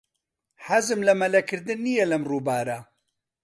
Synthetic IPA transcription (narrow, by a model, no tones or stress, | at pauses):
ħazɨmlɐmɐlɐkɨɾd̪ɨnːijɛlɐmruːbaːɾa